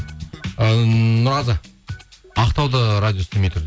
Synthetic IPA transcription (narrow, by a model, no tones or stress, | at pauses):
ənʊɾɑzə | ɑqt̪ɑwd̪əɾad̪ʲijo̞st̪ɪmejt̪ʰʏɾd̪